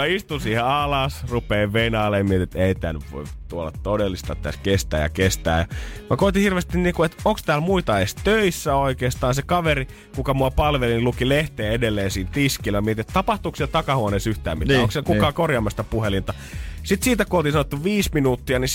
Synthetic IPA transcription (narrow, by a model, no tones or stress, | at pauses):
mæist̪unsiːheɑlɑsrupeːʋʋeinɑːlːejmiet̪it̪eit̪æ̰nytʋo̰it̪uolɑ̰t̪t̪odelːist̪ɑ̰ːpit̪æ̰skest̪æ̰ːjɑ̰kest̪æ̰ːjɑ̰mækot̪ihirʋest̪inniːkuet̪oŋkst̪æːlmuit̪ɑest̪øisːæoikeːst̪ɑːnsekɑʋeri | kukɑmuɑpɑlʋelinlukileht̪eːedelːeːsiːnt̪iskiːlɑmiet̪iet̪t̪ɑpɑht̪uːksielt̪ɑkɑhuoneːsyht̪æːmmitæoksielkukɑːkorjɑːmːɑst̪ɑpuhelint̪ɑ | sit̪siːt̪ækoːt̪insɑnot̪ːuʋiːsminuːt̪ːiɑni